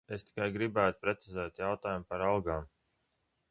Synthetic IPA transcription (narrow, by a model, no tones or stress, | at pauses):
est̪i̥kajɡɾibæːt̪u̥pɾet̪sizɛːt̪jawt̪aːjumpaɾalˠɡaːm